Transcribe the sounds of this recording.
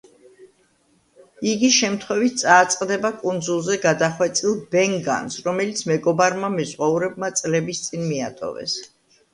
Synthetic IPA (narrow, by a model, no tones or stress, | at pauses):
iɡiʃɛmt̪ʰχwɛvit̪̚ʰt̪sʼaːt̪sʼqʼd̪ɛbakʼund̪zulˠzɛɡad̪aχwɛt̪sʼilˠbɛŋɡa̰nsɾɔmɛlit̪sʰmɛɡɔbaɾmamɛzʁauɾɛb̚mat̪sʼlɛbist̪sʼinmia̰t̪ʼɔ̰vɛ̰s